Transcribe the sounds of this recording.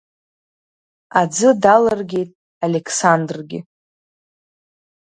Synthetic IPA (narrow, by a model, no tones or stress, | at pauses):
ad͡zɨdalarɡʲe̞jtʼ | alekʰsandrɡʲɪ̰